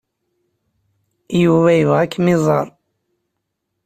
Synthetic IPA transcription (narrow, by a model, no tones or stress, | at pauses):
juvæjəvʁækːmizˤɑɾˤ